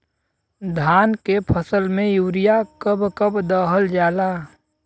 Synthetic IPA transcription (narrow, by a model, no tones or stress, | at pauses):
d̪ʱaːnkepʰəsəlmẽjuːɾijakəbkəbd̪əɦəld͡ʒaːlaː